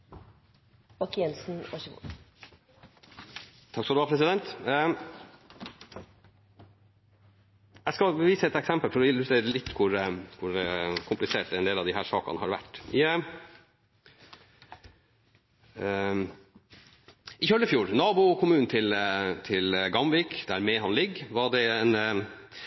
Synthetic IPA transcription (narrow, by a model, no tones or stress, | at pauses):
ɔkjɛnsn̩ɔçəʋṵ | t̪ʰɑkskɔd̪ʉʋɑpʰɾɛsɪd̪ɛnt̪ | æɪskɑʋiːsəɛt̪ɛksɛmpəlfɔɾɪʉt̪eɾəlɪt̪ːkʰʊɾkʰʊɾkʰʊmplɪseːʈ̪ɛnd̪eːlɑʋd̪ɪɦæːʂɑ̰ːkɑ̰nəhɑ̰ɾʋæ̰ʈːɪ | ɪçœlːəfjuːɾnɑːbʊkʰʊmʉːn̩t̪ʰɪlt̪ʰɪlɡɑmʋɪkd̪̥æɾmɛhɑnlɪɡːʋɑɖɛɛn